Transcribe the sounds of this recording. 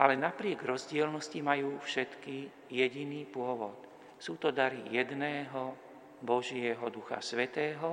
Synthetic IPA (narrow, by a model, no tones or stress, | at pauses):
ʔalɛnapɾɪɛɡɾɔzɟɪɛlnɔscimajuːfʃɛt̪ki | jɛɟiniːpʊɔʋɔt̪ | suːt̪ɔd̪aɾijɛd̪nɛːɦɔ | bɔʒɪɛɦɔd̪uxa̰sʋɛt̪ɛːɦɔ